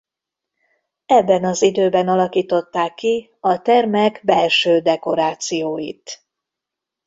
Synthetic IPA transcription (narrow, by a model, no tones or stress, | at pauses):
ɛbːɛnɒzid̪øːbɛnɒlɒkiːt̪o̞t̪ːaːkːi | ɒt̪ɛrmɛɡbɛlʃøːd̪ɛko̞ɾaːt̪sijoːjḭt̪